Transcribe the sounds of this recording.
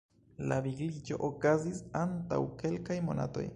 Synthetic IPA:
laviɡlid͡ʒo̞̰ʔokazisanta̰wke̞lkajmo̞na̰to̞̰j

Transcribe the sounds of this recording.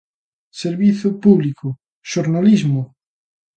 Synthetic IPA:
seɾβiθʊpuβlikʊ | ʃoɾnalizmʊ

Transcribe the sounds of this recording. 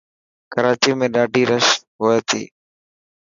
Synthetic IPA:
kəɾaːt͡ʃiːmẽːɗaːɖʱiːɾəʃɦoːeːt̪ʰḭː

